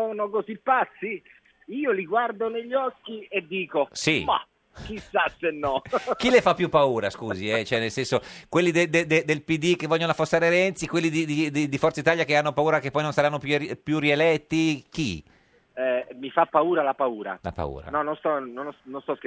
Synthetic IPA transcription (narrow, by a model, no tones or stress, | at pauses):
soːnokozipːat̪sːi | iːoliɡward̪oneʎːɔkːied̪ːiːkosima̰ | kisːasenːɔk̟ilefapːjupːauːɾaskuːziɛt͡ʃoɛnelsɛnsokwelːid̪ed̪ed̪ed̪elpid̪ik̟evːɔʎjːonoafosːaːɾeɾɛnt̪sikwelːid̪id̪id̪id̪ifɔrt̪sait̪aːjakeanːopauːɾakepːɔjnõnsaɾanːopjuipjurielɛt̪ːik̟ḭ | ɛmifapːauːɾalapauːɾa̰la̰pa̰ṵːɾa̰nɔnːonst̪ɔnonnõnst̪ɔske